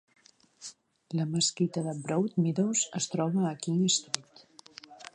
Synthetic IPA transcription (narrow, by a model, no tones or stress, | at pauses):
ləməskit̪əðəbɾowt̪miðowzəst̪ɾɔβəːkiist̪ɾut̪